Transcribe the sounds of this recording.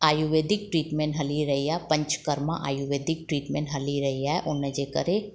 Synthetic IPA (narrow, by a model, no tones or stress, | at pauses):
aːjuʋeːd̪ɪk̚ʈɾiːʈmẽːɳʈɦɐliɾɐɦiapə̃ɲt͡ʃkəɾmã̰ʔaːjuʋeːd̪ʱɪk̚ʈɾiːʈmẽːɳʈɦɐliɾɐɦiaʔʊnːə̃d͡ʒekə̰ɾe